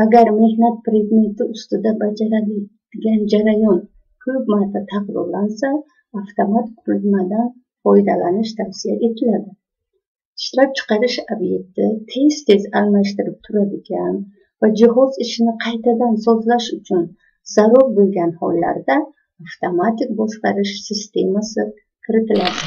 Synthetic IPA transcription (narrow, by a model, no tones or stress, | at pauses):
aɡaɾme̞hnat̪̚pɾe̞d̪me̞nt̪iust̪ɔd̪abad͡ʒaɾad̪d̪ɡand͡ʒaɾajɔn | kʰɵbmaɾt̪ʰat̪ʰaqd̪ɔ̰ɾlansa | aft̪ʰamat̪qʰuld̪mad̪an | fɔjd̪alaniʃt̪ʰafsijaʔet̪ʰɪlad̪ḁ | ʃɾat̚t͡ʃʰɪ̥qaɾɪʃabje̞k̚t̪it̪ʰe̞st̪ʰe̞zalmaʃt̪ɪɾip̚t̪ʰuɾad̪ɪɡʲan | vad͡ʒiɦɔziʃiniqʰajt̪ʰad̪ansɔzlaʃut͡ʃʰun | z̥aɾɔɾbulˠɡʲanhɔlːa̰ɾd̪aː | ft̪ʰamat̪ikbɔsqaɾiʃsist̪e̞masɨ | kʰɪɾɨt̪ʰɪlad̪a